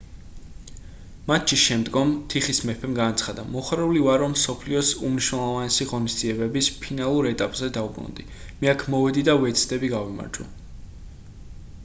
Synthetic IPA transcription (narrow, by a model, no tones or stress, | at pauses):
mat̪ʰt͡ʃiʃɛmd̪ɡɔmt̪ʰiχismɛpʰɛmɡanat̪sʰχad̪amɔχɾɛulivaɾɔmːsɔpʰliɔsumniʃnɛlˠɔvanɛsiʁɔnisd̪ziɛbɛbispʰinalˠuɾɛt̪ʼapʼzɛd̪aubɾṵnd̪i | mɛakʰmɔvɛd̪id̪avɛt̪sʰd̪ʼɛbiɡavima̰ɾd͡ʒɔ̰